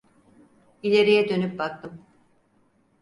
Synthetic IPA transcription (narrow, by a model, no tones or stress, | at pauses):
ilʲe̞ɾijɛd̪ø̞nyp̚bak̚t̪ʰɯm